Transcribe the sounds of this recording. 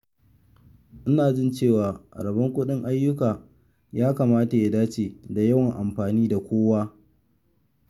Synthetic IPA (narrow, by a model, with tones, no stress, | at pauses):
ʔɪ˦naː˨d͡ʒɪ˦nt͡ʃeː˦˨waː˨ɾɐ˨bɐ˦ŋkʷʊ˦ɗɪ˦ŋʔa˦jːʊ˦kaː˨ | jaː˦ka˨maː˦ta˨ja˦daː˦t͡ʃeː˨da˨ja˦wɐ˨ŋʔa˨mɸaː˨niː˦da˨kʷoː˦waː˦